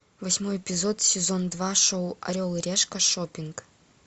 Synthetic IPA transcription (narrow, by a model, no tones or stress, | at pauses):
vɐsʲmojpʲizot̪sʲɪzond̪vaʂowɐ̰ɾʲolˠɨɾʲeʂkɐʂopʲiŋk